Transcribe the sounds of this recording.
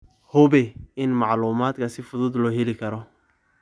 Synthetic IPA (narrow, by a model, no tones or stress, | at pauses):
hʊβɛɪnmɑʕluːmaːd̪kʰɐsɪfʊðʊd̪lɔːɦɛlɪkʰɐɾɔ